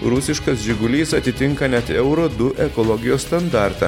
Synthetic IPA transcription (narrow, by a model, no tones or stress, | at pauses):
ɾʊsʲɪʃkɐsʒʲɪɡʊlʲiːsɐt̪ʲɪt̪ʲɪŋkɐnʲɛt̪ɛʊɾod̪ʊʔɛkɔlˠɔɡʲɪjoːsst̪ɐnd̪ɑˑɾt̪ɐ̰